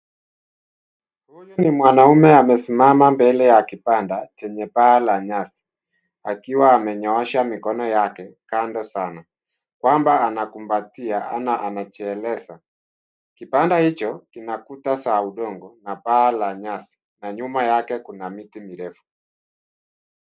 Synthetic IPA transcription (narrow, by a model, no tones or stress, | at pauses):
hujunimwanaumɛamɛsimamambɛlɛjakipandat͡ʃɛɲɛpaːlaɲasi̥ | akiwaːmɛɲɔaʃamikɔnɔjakɛkandɔsana | kwambaːnakumbatiaʔa̰naʔanat͡ʃɛːlɛsa | kipandahit͡ʃɔkinakutasaːuɗɔŋɡɔnapaːlaɲasi̥ | naɲumajakɛkunamitimiɾɛfu̥